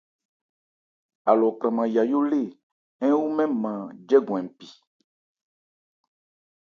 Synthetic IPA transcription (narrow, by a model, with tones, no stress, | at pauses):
a˨lɔ˨kɾɛ˨mã˨ja˨jo˦le˦˨ | ɛ̃˦wu˦mɛ̃˦mã˨d͡ʒɛ˦ɡɔ̃˨ɛ̃˨m˨pi˨